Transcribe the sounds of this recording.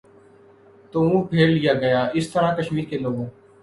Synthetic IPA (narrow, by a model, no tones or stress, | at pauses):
t̪oːũːpʰeːɽlɪjaːɡəjãːɪst̪əɾãːkəʃmiːɾkeːloːɡõː